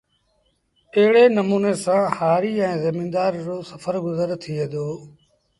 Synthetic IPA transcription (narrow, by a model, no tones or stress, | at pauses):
əɦɪɽeːnəmuːneːsãːhaːɾiːɛ̃ːzəmĩːnd̪aːɾd͡ʒoːsəfəɾɡʊzəɾt̪ʰiːeːd̪oː